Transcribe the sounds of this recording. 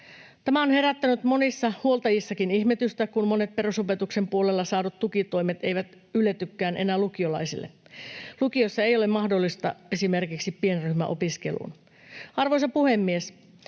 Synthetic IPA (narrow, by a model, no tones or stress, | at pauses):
t̪æmæonhe̞ɾæt̪ːænyt̪mo̞nisːɑhuolt̪ɑjisːɑkiniçmet̪yst̪ækunmone̞t̪̚pe̞rusope̞t̪ukse̞mpuolelːɑsɑːdut̪t̪ukit̪oimet̪e̞jʋæt̪ | ylet̪ykːæːnʔe̞næːlukiolɑ̰isilːḛlukio̞sːɑe̞jo̞lemɑhdolːist̪ɑe̞sime̞rkiksipːienryhmæ̰ʔopiske̞̰lṵːn | ɑrʋojsɑpuhemːies